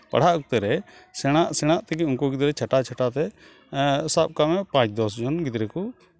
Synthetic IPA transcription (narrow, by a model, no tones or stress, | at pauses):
pa̰ɽ̤aʔkut̪ɛɾɛ | sɛɽ̃aʔsɛɽ̃aʔt̪ɛkiunkuɡid̪ɾɛt͡ʃʰaʈat͡ʃʰaʈat̪ɛ | sab̚kamːɛpãt͡ʃd̪ɔsd͡ʒɔnɡid̪ɾɛku